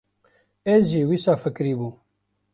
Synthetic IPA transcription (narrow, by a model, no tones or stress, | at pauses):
eʒiːwisaːfɨkɾiːbuː